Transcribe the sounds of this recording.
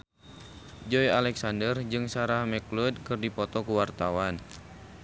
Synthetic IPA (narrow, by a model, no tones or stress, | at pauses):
d͡ʒɔjalɛksandərd͡ʒɨŋsaɾahmɛklud̚kɨrdipɔt̪ɔkuwart̪awan